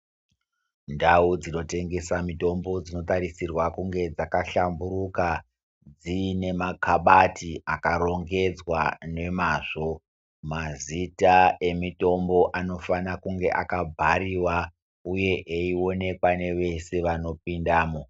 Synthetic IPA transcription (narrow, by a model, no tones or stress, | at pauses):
ndaud͡zino̞te̞ŋɡe̞samito̞mbo̞d͡zino̞taɾisirwakuŋɡe̞d͡zakaɬambuɾuka | d͡zine̞makʰaɓatiakaɾo̞ŋɡe̞d͡zwane̞maːʐo̞ | mazitae̞mito̞mbo̞ʔano̞fanakuŋɡe̞̰ʔakabʱaɾiwa | uje̞ʔeio̞ne̞pwane̞ʋe̞se̞ʋano̞p̚indaːmo